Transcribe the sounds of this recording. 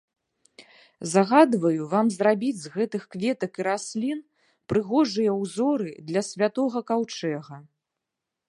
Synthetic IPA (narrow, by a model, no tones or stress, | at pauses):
zaɣad̪vɐjuvamzrabʲid͡zʲzɣɛt̪ɨxkvʲɛt̪ɐkiɾasʲlʲin | pɾɨɣɔʐɨjɐwzɔɾɨd̪lʲɐsʲvʲat̪ɔɣɐkawt͡ʂɛɣɐ